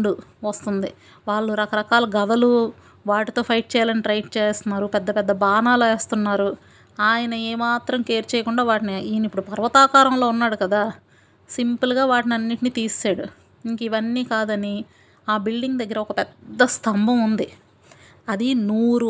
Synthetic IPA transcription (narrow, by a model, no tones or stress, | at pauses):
ɖuʋɐst̪und̪i | ʋaːɭːuɾɐkɐɾɐkaːlɐɡɐd̪ɐlu | ʋaːʈit̪o̞ːpʰɐjʈ̚t͡ʃɛːjaːlɐniʈɾɐjʈ̚t͡ʃɛːst̪unːaːɾupɛd̪ːɐpɛd̪ːɐbaːnaːleːst̪unːaːɾu | aːjɐnɐɛːmaːt̪ɾɐmkeːɾt͡ʃɛːjɐkuɳɖaːʋaːʈiniiːnipːuɽupɐɾʋɐt̪aːkaːɾɐmlo̞ːunːaːɽukɐd̪aː | simpɐlɡaːʋaːʈiniɐnːiʈiniːt̪iːaːɽu | iŋkɐiʋɐnːiːkaːd̪ɐni | aːbilɖiŋɡd̪ɐɡːɐɾɐɔkɐpɛd̪ːɐst̪ʰɐmbʱɐmund̪i | ɐd̪inuːɾu